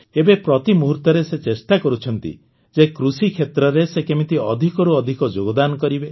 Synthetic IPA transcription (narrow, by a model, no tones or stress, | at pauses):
ebepɾɔt̪imuɦuɾt̪ɔɾeset͡ʃest̪akɔɾut͡ʃʰɔnt̪ḭ | d͡ʒekɾusikʰet̪ɾɔɾesekemit̪iɔd̪ʱikɔɾuɔd̪ʱikɔd͡ʒoɡɔd̪anɔkɔɾibe